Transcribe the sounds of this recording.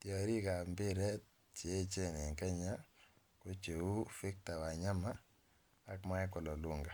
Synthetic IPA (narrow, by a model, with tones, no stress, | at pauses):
tjɔ˨ɾi˦ka˨mbɪ˦ɾɛ˦t̚ | t͡ʃe˨˦˨t͡ʃe˦ne˨ŋkɛ˦ɲa˦ | ko˦t͡ʃe˨u˦fɪ˦k̚ta˨wa˨ɲa˦maː˦ | kma˦ɪ˦kɔ˨lɔ˨lo˦ŋɡa˨